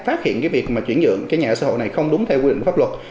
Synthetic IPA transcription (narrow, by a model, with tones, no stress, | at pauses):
faː˦˥t̚hḭ˧˨ənkaː˨˦jvi˨˩ək̚maː˨˩t͡ɕwi˧˩ənzə̰˧˨əŋkaː˨˦jɲaː˨˩sa̰ː˧˦ɦo̰˧˨na˨˩jxə˧wŋ͡mɗʊ˨˦ŋ͡mt̪ʰɛ˧wki˧ï˧˨˧faː˦˥p̚wə˨˩t̚